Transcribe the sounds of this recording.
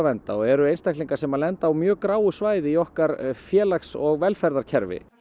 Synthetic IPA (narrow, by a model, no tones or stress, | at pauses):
vɛnt̪aɔɣɛɾʏejnst̪ajkliŋkḁsɛmalɛnt̪aːwmjœːkɾaːwʏsvaːjðɪiɔhkaɾfjɛːlaksɔɣvɛlfɛɾðaɾ̥cʰɛɾvɪ̰